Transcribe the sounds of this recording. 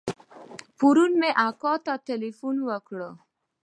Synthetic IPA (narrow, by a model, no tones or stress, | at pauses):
puɾunmẽʔakɔt̪ɔtelifunʋəkʰɭo